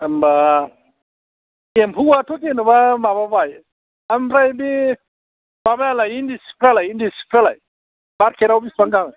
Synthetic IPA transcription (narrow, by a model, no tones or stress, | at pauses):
amba | empʰuwatʰut̪inɨbamababaj | ampɾajbi | babajalajindispʰɾalajindispʰɾala̰j | baɾkʰeɾawbisbaŋkaŋ